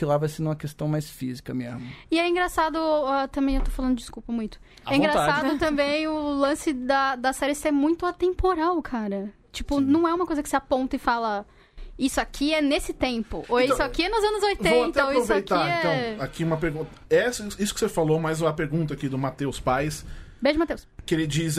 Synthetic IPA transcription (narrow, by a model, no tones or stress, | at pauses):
ɪlavajsẽnũmɐkest̪ɐ̃w̃majsfizikɐmĩɲɐmɐ̃ɪɛĩŋɡɾasad̪ʊat̪ɐ̃mbẽewt̪o̥falɐ̃nd̪ʊd͡ʒɪd͡ʒɪskuwpɐmũj̃t̪ʊ̥ | ɛ̃ɡɾassadʊt̪ɐ̃mbẽj̃ʊlɐ̃sɪd̪ɐd̪ɐsɛɾɪsɛ̃mũj̃t̪ʊat̪ẽmpoɾawkʰaɾɐ | t͡ʃipʊnɐ̃w̃ɛũmɐkojzɐkɪsɪapõnt̪ɐɪfalɐ | isʊakʰiɛnesɪt̪ẽmpʊoĩsʊakiɛnʊzɐ̃nʊzojtvẽt̪ɐaiɾosvetk̪ãɛɐ̃w̃akiũmɐpeɾɡũt̪ɐɛsɐisʊ̥kɪ̥sefalomajzũmɐpeɾɡũnt̪ɐakid̪ʊmat̪ewspajs | beʒɐmat̪ewskɪelɪd͡ʒis